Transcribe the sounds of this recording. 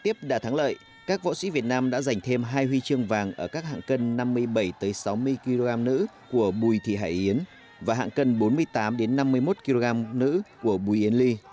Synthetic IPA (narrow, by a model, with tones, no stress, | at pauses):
t̪i˦˥əp̚ɗa̰ː˧˩t̪ʰaː˨˦ŋlə̰ː˧˨j | kaː˦˥k̚vo̰˧˥sḭ˧˥vi˨˩ət̚naː˧mɗa̰ː˧˥za˨˩jŋ̟t̪ʰe˧mɦaː˧jhwi˧t͡ɕɨ˧əŋvaː˨˩ŋʔəː˧˩kaː˦˥k̚ha̰ː˧˨ŋkə˧nːa˧mːɨ˧əjɓə˧˩jt̪əː˨˦jsa˨˦wmɨ˧əjki˧lo˧ɣaː˧mnɨ̰˧˥ | ku˧˩əɓu˨˩jt̪ʰḭ˧˨ɦa̰ː˧˩jʔi˨˦ən | vaː˨˩ɦa̰ː˧˨ŋkə˧nɓo˨˦nmɨ˧əjt̪aː˨˦mɗe˨˦nːa˧mːɨ˧əjmo˦˥t̚ki˧lo˧ɣaː˧mnɨ̰˧˥ku˧˩əɓu˨˩jʔi˨˦ənli˧